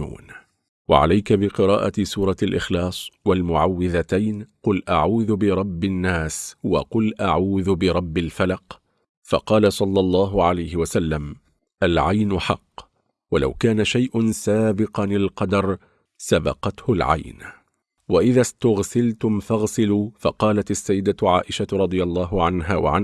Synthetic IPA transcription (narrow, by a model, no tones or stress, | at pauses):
ṵːn | wa̰ʕa̰lajkabɪqɨɾˤɑːʔasuːɾˤɑalʔɪxlɑːsˤwalmʊʕawːɪðat̪ajnqʊlʔaʕuːðʊbɪɾˤɑbːɪnːaːswɑ̰qʊlʔaʕuːðʊbɪɾˤɑbːalfalɑq | fɑ̰qɑːlasˤɑlːɑlˤːɑːɦʊʕalajhɪwasalːam | ʔalʕajnʊħɑ̰qː | walʔa̰wkaːnaʃajʔʊnsaːbɪqɑnɪlqɑd̪ɑɾˤ | sabɑ̰qɑt̪hʊlʕa̰jn | waʔɪðast̪ʊɣsɪlt̪ʊmfɑɣsɪluːfɑqɑːlat̪asːajːɪd̪at̪ʕaːʔɪʃaɾˤɑd̪ˤɨjalˤːɑːɦʊʕanɦaːwa̰ʕan